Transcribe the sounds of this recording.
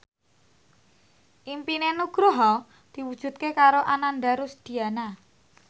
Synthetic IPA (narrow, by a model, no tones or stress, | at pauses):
ʔimpinenuɡ̥ɾoɦɔ | d̪̥i̤wud̥ʒ̥ṳt̪̚kekaɾoʔananɖaɾusd̪̥i̤ana